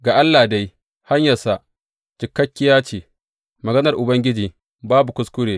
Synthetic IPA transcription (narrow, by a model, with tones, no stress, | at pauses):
ɡaː˨ʔa˦lːaː˨da˦j | ha˦ɲjɐ˨sa˦ʔ | t͡ʃɪ˨kːɐ˦kʲːɪ˦jaː˦t͡ʃiː˨ | mɐ˨ɡɐ˦nɐ˨rʔʊ˨bɐ˦ŋɡʲɪ˦d͡ʒiː˨ | baː˦bu˨kʷʊ˦skʷʊ˦ɽeː˨